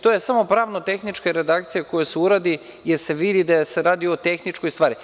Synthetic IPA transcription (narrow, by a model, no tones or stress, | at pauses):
t̪ojesamo̞pɾaːʋnot̪e̞xnit͡ʃkeɾe̞d̪ak̚t̪sijekojoseuɾaːd̪i | je̞ɾse̞ʋid̪id̪ase̞ɾaːd̪io̞t̪e̞xnit͡ʃkojst̪ʋaːɾi